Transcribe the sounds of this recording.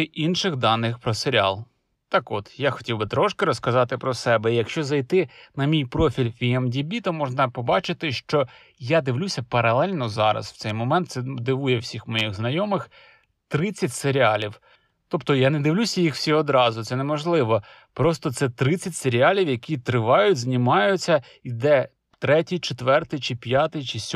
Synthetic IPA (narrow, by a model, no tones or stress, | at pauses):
ʔinʃɪɣd̪ɑnːɪxpɾɔseɾʲɪɑ̰lˠ | t̪ɑkɔt̪jaxɔ̥tʲiwbɪt̪ɾɔʃkɪɾɔskɐzɑt̪ɪpɾɔsɛbɛijɐkʃt͡ʃɔzɐjt̪ɪnɐmʲijpɾɔfʲilʲfʲiɛmdʲibʲit̪ɔmɔʒnɐpɔbɑt͡ʃɪt̪ɪʃt͡ʃɔ | jad̪ɪwlʲusʲɐpɐɾɐlˠɛlʲnɔzɑɾɐ̰sw̥t̪ɛjmɔmɛnt̪sɛd̪ɪʋujɛwsʲixmɔjiɣznɐjɔmɪx | t̪ɾɪt͡sʲːɐtʲseɾʲiɑlʲiw | t̪ɔpt̪ɔjaned̪ɪwlʲusʲɐjixw̥sʲiɔd̪ɾɑzʊt̪sɛnemɔʒlˠɪʋɔ | pɾɔst̪ɔt̪sɛt̪ɾɪt͡sʲːɐtʲseɾʲiɑlʲiwjɐkʲit̪ɾɪʋɑjʊtʲznʲɪmɑjʊt͡sʲːɐ | id̪ɛ | t̪ɾɛtʲijt͡ʃet̪ʋɛrt̪ɪjt͡ʃɪpʲjɑt̪ɪjt͡ʃɪsʲ